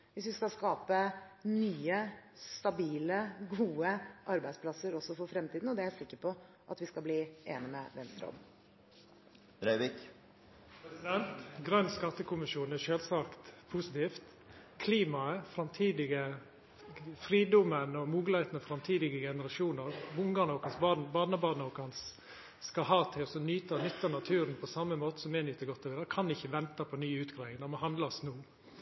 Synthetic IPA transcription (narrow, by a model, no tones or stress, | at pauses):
ʋɪsʋɪskɑlskɑːpənyːəst̪ɑbiːləɡuːəʔɑɾbæɪspʰlɑsəɾɔsːɔfɔɾfɾɛmt̪iːd̪n̩ɔd̪ɛæɾsɪkːəɾpʰɔ | ʔɑ̰t̪ʋɪskɑlbliːʔḛːnɪmɛ̰ʋɛnst̪ɾɔ̰m | ɾœɪʋɪk | pʰɾɛsɪd̪ɛnt̪ɡɾœnskɑt̪ːəkʰʊmɪʃuːnæʃøːlsɑkt̪pʰusɪt̪ʰiːft̪ | kʰliːmɑəfɾɑmt̪ʰiːd̪ɪɡə | fɾiːd̪ɔmənɔmuːɡlhæɪt̪n̩ɔfɾɑmt̪ʰiːd̪ɪɡəɡɛnəɾɑʂuːnəɾbʊŋɡɑnɔːkɑnsbɑbɑːnəbɑːnɔːkɑns | skɑɦɑːt̪ʰɪlɔsɔnyːt̪ɑnʏt̪ːənɑt̪ʰʉːɾənpʰɔsɑmːəmoːt̪ə̥sɔmɛːnyːt̪ːəɾɡɔt̪ʰːɔʋiːd̪əɾkʰɑnɪçːəʋɛnt̪ɑpʰɔnyːʉːt̪ɡɾɑːɪŋd̪ɛmɔɦɑnd̪lɑsnuː